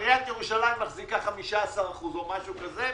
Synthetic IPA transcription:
ʁjant̪jeʁuʃalajmːaχzikaχamiʃaːsaʁaχuzo̞maʃukaze

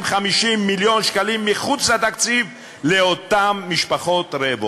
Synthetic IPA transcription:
mχamiʃimːiljo̞nʃkalimːiχut͡slat̪akt͡siv | leot̪amːiʃpaχot̪ɾevo

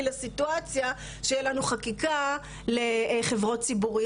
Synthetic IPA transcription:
lasituat͡sja | ʃejelanuχakika | le̞χe̞vʁo̞t̚t͡sibuʁi

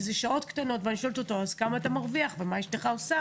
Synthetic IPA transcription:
zeʃao̞t̪kt̪ano̞t̪vaniʃolt̪ot̪oazkamaːt̪amaʁviaχvemaeʃteχaosa

